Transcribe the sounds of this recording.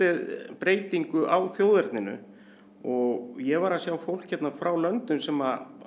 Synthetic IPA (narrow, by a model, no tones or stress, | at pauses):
ɪðpɾeːjt̪iŋkʏʔawθjoːwðɛɾt̪nɪnʏ̰ | ɔɣjɛvaɾasjawfowl̥cçɛt̪nafɾawlœnt̪ʏmsɛma